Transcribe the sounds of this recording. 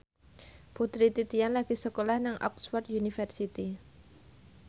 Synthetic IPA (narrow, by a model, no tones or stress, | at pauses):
put̪ɾit̪it̪ianlaɡ̥isəkolahnaŋʔɔ̰ksfɔrt̪unifərsit̪i